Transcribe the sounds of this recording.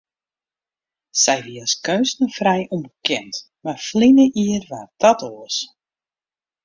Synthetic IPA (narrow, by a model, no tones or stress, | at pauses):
sɛjʋiəskøːstəfrɛjʔumbəkɛnt | marflinəʔiərʋad̥ɔtʰoəs